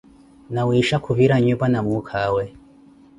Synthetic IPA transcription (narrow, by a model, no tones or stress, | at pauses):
nawiʃakʰuviɾaɲɛpanamukʰawɛ